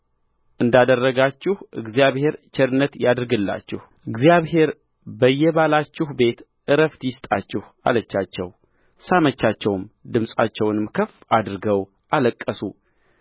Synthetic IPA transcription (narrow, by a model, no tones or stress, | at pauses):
ʔɨnd̪ad̪ərːəɡat͡ʃːɪhʔɨɡzijaβhe̞ɾt͡ʃʰɛɾɨnːət̪jad̪ɾɨɡɨlːa̰t͡ʃːɪ̰h | ʔɨɡzijaβhe̞ɾ | bəjːɛβalat͡ʃːɪhbe̞t̪ | ʔɨɾəft̪jɪst̪ʼat͡ʃːɪh | a̰lət͡ʃːat͡ʃːɛ̰w | samət͡ʃːat͡ʃːɛwmd̪ɨmsʼa̰t͡ʃːɛwnɨmkʰəf | ad̪ɾɨɡəw | ʔaləkʼːəsu